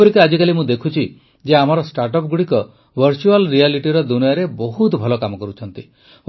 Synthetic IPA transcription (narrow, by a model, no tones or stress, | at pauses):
ɔɾikead͡ʒikalimũd̪ekʰut͡ʃʰi | d͡ʒeam̤aɾɔsʈaɾʈɔp̚ɡuɽikɔ | bʱəɾt͡ʃualɾialiʈiɾɔd̪unijaɾebɔɦut̪bʱɔlɔkamɔkɔɾut͡ʃʰɔnt̪i